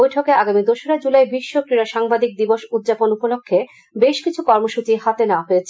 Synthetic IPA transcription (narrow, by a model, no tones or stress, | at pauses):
ojʈʰokeaɡamid̪oʃoɾad͡ʑulaebiʃːokɾiɾaʃaŋbad̪ik̚d̪iboʃud̪ːd͡ʑaponupolokʰːe | beʃkit͡ɕʰukɔɾmoʃut͡ɕiɦat̪enaaɦoet͡ɕʰ